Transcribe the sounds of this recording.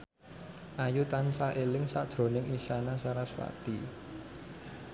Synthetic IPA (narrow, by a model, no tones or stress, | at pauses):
ʔajut̪ansaʔelɪŋsa̰d̥ʒ̥ɾo̤nɪŋisanasaɾaswa̰t̪i